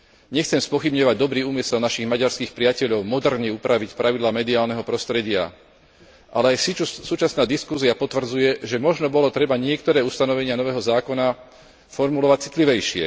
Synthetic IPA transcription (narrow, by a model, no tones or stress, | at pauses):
ɲɛxt͡sɛmspɔxibɲɔʋaɟd̪ɔbɾiːuːmisɛlnaʃiɣmaɟaɾskiːxpɾɪacɛʎɔʊmɔd̪ɛɾɲɛupɾaʋicpɾʔaʋid̪laːmɛd̪iaːlnɛɦɔpɾɔst̪ɾɛɟɪa̰ | ʔalɛajsit͡ʃusuːt͡ʃasnaːd̪iskusiapɔt̪ʋr̩d͡zujɛʒɛmɔʒnɔbɔlɔt̪ɾɛbaɲɪɛk̚t̪ɔɾɛːust̪anɔʋɛɲɪanɔʋɛːɦɔzaːkɔna | fɔɾmulɔʋat͡si̥t̪liʋɛjʃɪɛ̰